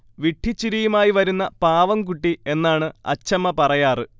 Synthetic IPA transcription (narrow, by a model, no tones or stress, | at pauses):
ʋiʈʰːit͡ɕːiɾijumaːjiʋɐɾunːɐpaːʋɐmkuʈːie̞nːaːɳɨɐ̰t͡ɕːɐmːɐpɐrɐjaːrɨ